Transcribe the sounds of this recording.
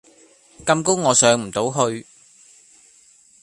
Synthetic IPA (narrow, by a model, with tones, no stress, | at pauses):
kɐ˧mkʊ˥wːɔː˨˧sœː˨˧ŋm̩˨˩t̪o˨˥wɦɵ˧ɥ